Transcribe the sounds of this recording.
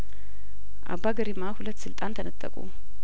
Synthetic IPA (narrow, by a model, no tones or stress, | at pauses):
ʔa̰bːaɡəɾimahulət̪ːsɨlt̪ʼant̪ʰənət̪ʼːə̰kʼṵ